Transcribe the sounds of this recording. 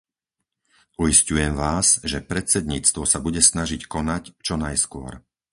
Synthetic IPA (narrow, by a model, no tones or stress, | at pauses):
ujiscujɛmʋaːzʒɛpɾɛt̪t͡sɛd̪ɲiːt͡st̪ʋɔsabuɟɛsnaʒickɔnact͡ʃɔnajskʊɔ̰ɾ